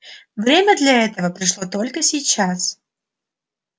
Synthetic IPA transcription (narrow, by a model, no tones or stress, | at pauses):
vɾʲemʲəd̪lʲɐɛt̪əvəpɾʲɪʂlˠot̪o̞lʲkəsʲɪjt͡ɕas